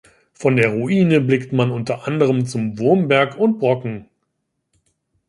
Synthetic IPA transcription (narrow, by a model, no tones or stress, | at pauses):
fɔndeːɐʁuʔiːnəblɪktmanʊntɐʔandəʁ̞əmt͡sʊmvʊɐmbɛɐkʊnt̚b̥ʁɔkŋ̩